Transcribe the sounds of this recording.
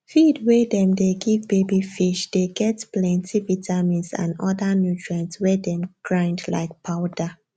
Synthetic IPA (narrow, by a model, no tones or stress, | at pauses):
fidwɛdɛ̃mdeɡivbebifiʃd̥eɡɛtplɛ̃ntʰivitʰamĩnsã̰nɔdanutɹɛ̃ntswɛdɛ̃mɡ̥ɹãɪ̃ndla̰ɪk̚pʰaʊda